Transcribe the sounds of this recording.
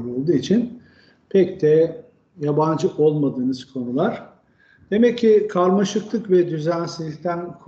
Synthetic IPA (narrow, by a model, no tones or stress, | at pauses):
bolˠd̪uːit͡ʃʰin | pʰɛcd̪ʰɛ | jaband͡ʒɯʔo̞lˠmad̪ɯːnɯz̥kʰo̞nulˠaɾ̥ | d̪̥e̞mɛcʰːɪkʰaɾmaʃɯklˠɯkvɛd̪yzænsizlːʲict̪ʰænkʰ